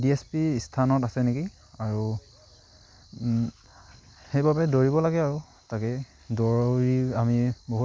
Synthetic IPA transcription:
diespistʰanɔtasɛneki | aɹu | xejbabɛdoɹibɔlaɡɛaɹu | takɛ | doɹɹiamiboɦu

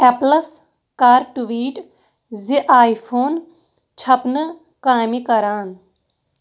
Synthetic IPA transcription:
ɛplɐs | kaːɾʈuʋiːʈ | ziʔaːipʰoːn | t͡ʃʰɐpnɨ | kaːmikɐɾaːn

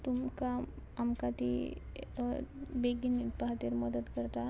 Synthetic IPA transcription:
t̪umkaː | mkat̪ḭ | beɡinit̪baɦat̪eɾməd̪ət̪kəɾt̪a

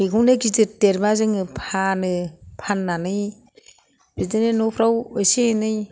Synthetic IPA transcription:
eɡʰunɯɡidɯteɾbazɯŋɯpʰanɯpʰanːanɯj | bidɯnenopʰɾawɯseenɯj

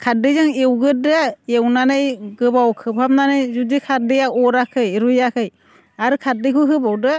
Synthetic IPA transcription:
kʰadɯzaŋewɡɯdɯewnanɯjɡɯbawkʰɯbʰʱap̚nanɯjzudikʰat̚dejaɔɾakʰɯjɾujakʰɯj | aɾɯkʰat̚dɯkʰuɦɯbawdɯ

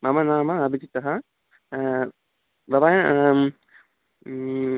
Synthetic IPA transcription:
mɐmɐnaːmɐɐbʱid͡ʒit̪ɐɦɐ | bɐbaːjɐ

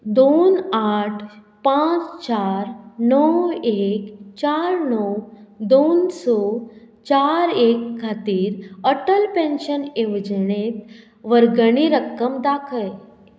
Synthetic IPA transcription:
d̪onaʈʰ | pãt͡st͡ɕaɾnəwekt͡ɕaɾnɔwd̪onsɔ | t͡ɕaɾekkʰːat̪iːɾəʈəlpẽnɕəneʋd͡ʑəɳet̪ | ʋəɾɡəɳ̃iɾəkːəmd̪akʰəl

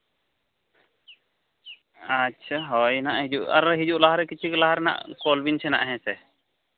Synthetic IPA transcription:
atːʃʰaɦɔjnaʔɦid͡ʒuʔa̰ɾɦid͡ʒuʔlaɦaɾɛkit͡ʃʰiklaɦaɾna̰ʔkɔlbint͡ʃʰɛna̰ʔɦɛ̃sɛ

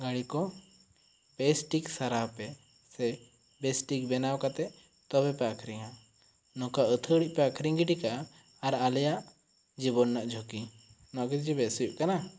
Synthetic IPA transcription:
ɡaɽikɔ | pɛsʈiksaɾapɛ | sɛ | bɛsʈik̚bɛnawkat̪ɛ | t̪ɔbɛpɛakʰɾiŋã | nɔ̃kaət̪ʰəɽiʔ̚pɛakʰɾiŋɡiʈikaː | ɾalɛjaʔ | d͡ʒibɔnːaʔd͡ʒʱoki | nɔɡit̪d͡ʒibɛsiʔ̚kana

